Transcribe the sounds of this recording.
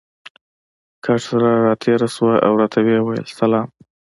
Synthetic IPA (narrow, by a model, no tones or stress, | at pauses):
kʰaʈsaɾaɾɑt̪ʰeɾaswajʔa̰wɾɑt̪ʰawewajə̰lsalɑm